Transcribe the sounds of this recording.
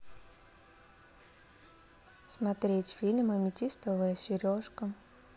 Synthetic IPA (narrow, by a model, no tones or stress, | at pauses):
smɐt̪ɾʲetʲfʲilʲmɐmʲɪtʲist̪əvəjəsʲɪɾʲoʂkə